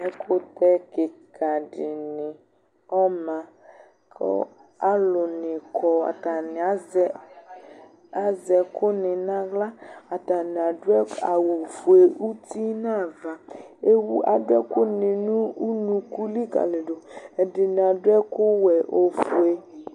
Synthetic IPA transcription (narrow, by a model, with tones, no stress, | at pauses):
ɛ˦kʰʊ˦t̪ɛ˦kɪ˨kʰa˨dɪ˨nɪ̃˨ | ɔ˦mã˨ | kɔ̰˦ | a˦lʊ˨nɪ̃˨kʰɔ˨a̰˨ta˨n˨a˦zɛ˦ | a˦zɛ˨kʰʊ˦nɪ˨nã˦ɡla˦a˨ta˨nɪ̃˨a˨dʊ˦ɛ˦a˨wu˨fu˨e˨u˦t̪i˦nã˦˨va˨e˦wu˦ʔa˨dʊ˦ɛ˦kʊ˦nɪ̃˨nũ˦u˦nũ˨ku˦li˦ka̰˨le˨ɖo˨ɛ˨dɪ˨nɪ̃˨a˨dʊ˦ɛ˦kʊ˦wɛ˨ʔo˦fu˨e˦